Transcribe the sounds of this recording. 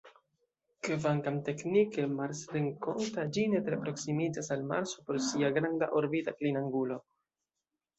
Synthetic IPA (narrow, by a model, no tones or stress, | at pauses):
kevaŋkamte̞knikemaɾsɾeŋko̞ntad͡ʒinet̪ɾepɾo̞ksimid͡zasalma̰ɾsopo̞ɾsiaɡɾanda̰ʔoɾbitaklinaŋɡulo̞